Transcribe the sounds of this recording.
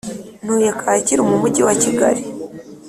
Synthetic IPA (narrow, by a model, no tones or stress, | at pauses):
n̥ujakʰaːciɾumumuɟiwaciɡa̰ɾi